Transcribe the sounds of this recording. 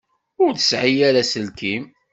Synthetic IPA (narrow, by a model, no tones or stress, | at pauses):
ʊɾθə̥sʕijæɾæsəlkim